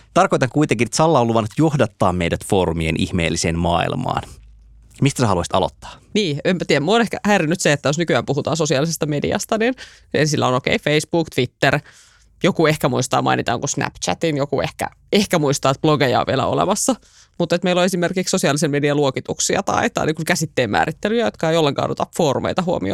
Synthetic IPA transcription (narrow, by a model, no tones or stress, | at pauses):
t̪ɑrkojt̪ɑŋkuit̪eŋkint̪sɑlːɑolːuʋɑnut̪johdɑt̪ːɑːmmeidæt̪foːɾumienʔḭhmḛːlːiseːnmɑ̰ːḭlmɑ̰ːn | mist̪æsehɑluɑsit̪ɑ̰lo̰t̪ːɑ̥ːniːemːæt̪iæmuonehkæhæiɾinːyt̪seet̪ːæjosnykyæːmpuɦut̪ɑ̰ːnsosiɑlisest̪ɑmedḭɑ̰st̪ɑnin | ensilːæ̰onokḛifeisb̥uːkt̪ʋit̪ːer | jokuehkæmuist̪ɑ̰ːmɑ̰init̪ɑ̰ːŋkusnæ̰pt͡ʃæ̰t̪injokuehkæ̰ | ehkæmuist̪ɑːt̪̚b̥loɡejɑ̰ʋḭelæ̰o̰lḛmɑsːɑ | mut̪ːet̪meiloesimerkikssosiɑlisemediɑluokit̪uksiɑ̰t̪ɑ̰it̪ɑ̰ːniːkukæsit̪ːeːmmæ̰ːɾit̪ːelyjæjot̪kɑejolːeŋkɑ̰ːno̰t̪ɑffoːrumḛijt̪ɑɦuo̰mḭo̰